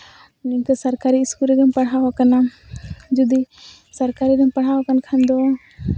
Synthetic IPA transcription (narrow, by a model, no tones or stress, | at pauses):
niŋkəsɐɾkaɾiːskuɾɛɡɛmpɐɽ̤ɦaɦɔkana | d͡ʒud̪i | sɐɾkaɾiɡəmpɐɽ̤aɦɔkankʰand̪ɔ